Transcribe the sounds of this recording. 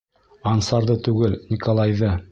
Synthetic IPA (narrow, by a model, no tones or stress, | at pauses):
ɑnsɑɾðɤt̪ʉɡɘlnʲikolˠɑjðɤ